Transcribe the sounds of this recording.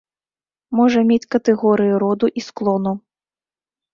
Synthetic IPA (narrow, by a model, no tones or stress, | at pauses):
mɔʐɐmʲet͡sʲkɐt̪ɛɣɔɾɨjiɾɔd̪uʔisklˠɔnu